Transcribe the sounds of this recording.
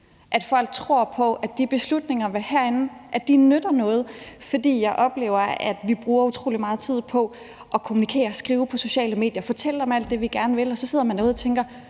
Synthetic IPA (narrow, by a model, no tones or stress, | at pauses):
ʔæd̥fɒ̽l̰ɡ̥̚t͡sʰʁo̝ɐ̰pʰɒ̽æd̥ib̥e̝slud̥ne̝ŋɐʋehæɐ̰e̝nn̩ʔæd̥inød̥ɐnɔ̽ːð̞̩ˠfɒ̽d̥ḭːjɑ̈ɪʔɒ̽b̥le̝̰ːʊɐæd̥ʋib̥ʁuːɐut͡sʰʁo̝̰ːlimɑ̈ːð̞̩ˠt͡sʰið̞̰ˠpʰɒ̽ | ʔɒ̽kʰo̝munikʰe̝̰ːɐsɡ̥ʁiːʊpʰɒ̽so̝ɕɛ̰ːləme̝̰ːd̥jɐfɒ̽t͡sʰel̰əd̥ɑmæl̰d̥ːe̝ʋiɡ̥æɐnəʋe̝lɒ̽sɒ̽se̝ð̞̰ˠɐmænːɔ̽ːðˠt͡sʰeŋɡ̥ɐ